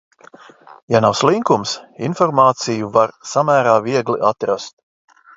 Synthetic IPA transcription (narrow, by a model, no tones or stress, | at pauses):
janawslˠiŋkumsḭnfɔɾmaːt̪sijuvaɾsamæːɾaːviɛɡliʔat̪ɾast̪̚